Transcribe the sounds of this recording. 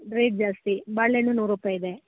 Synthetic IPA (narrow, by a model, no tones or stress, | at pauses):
ɾeːʈ̚d͡ʒaːst̪ibɐɭːenːunuːɾupɐid̪e